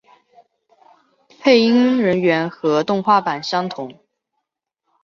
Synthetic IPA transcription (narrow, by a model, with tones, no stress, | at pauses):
pʰe˥˩ɪi˥ŋɻə˧˥nɥɛ˧˥nxɤ˧˥t̪ʊ˥˧ŋxwa˥˩pa˨˩nɕjɑ˥ŋt̪ʰʊ˨˧˥ŋ